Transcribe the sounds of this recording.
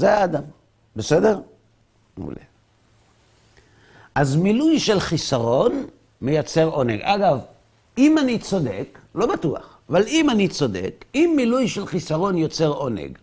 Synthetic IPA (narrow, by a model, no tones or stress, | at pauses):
zeaːdam | bese̞de̞ʁ | ṵlḛ | ʔazmilujʃe̞lχisaʁo̞n | me̞jat͡se̞ʁo̞ne̞̰ɡʔaɡav | imanit͡so̞d̪e̞klo̞batua̰χavalimanit͡sode̞̰kimːilujʃe̞lχisaʁo̞njo̞t͡se̞ʁo̞nḛɡ